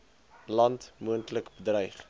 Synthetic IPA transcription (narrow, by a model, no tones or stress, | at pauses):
lɐntmuəntləkbədrəjχ